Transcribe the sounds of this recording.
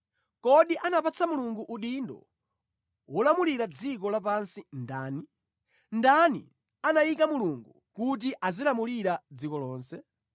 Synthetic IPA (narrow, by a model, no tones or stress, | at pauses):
kɔɗiʔanapat͡sʰamuluŋɡuʔuɗindɔ̰ | wɔlamuliɾad͡zik̬ɔlap̬ansindaːni | ndanḭ | anajikamuluŋɡu | kut̬iʔazilamuliɾad͡zikɔlɔːnsɛ